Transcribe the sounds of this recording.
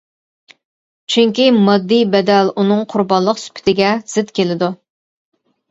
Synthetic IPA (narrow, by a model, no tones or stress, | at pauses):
t͡ʃʰyŋkʲimɑd̪ːijbɛd̪ɛlunɨŋqʰʊɾbɑnlˠəqsy̥pʰɪ̥t̪ʰɪɡʲɛz̥ɪt̪kʲelɪd̪u